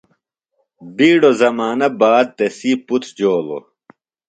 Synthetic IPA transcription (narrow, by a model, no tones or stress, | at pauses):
biːɽozɐmaːnɐbaːd̪̚t̪esiːput͡s̪ʰd͡ʑoːlo̰